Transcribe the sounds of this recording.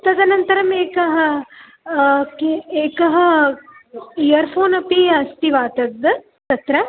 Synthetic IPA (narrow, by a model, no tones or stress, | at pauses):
t̪ɐd̪ɐnɐnt̪ɐɾɐmeːkɐɦɐ | keeːkɐɦɐ | ijɐɾpʰoːnɐpiɐst̪iʋaːt̪ɐd̪ːɨ | t̪ɐt̪ɾɐ